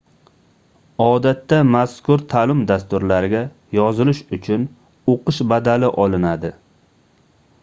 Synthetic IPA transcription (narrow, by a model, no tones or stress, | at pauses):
ɒd̪at̪ːamaskʊɾt̪ʰalɪmd̪ast̪ʊɾlaɾɪɡʲa | jɒzɪlɪʃʊt͡ʃʰʊn | oqɨʃbad̪alɪʔɒlˠɪnad̪ɪ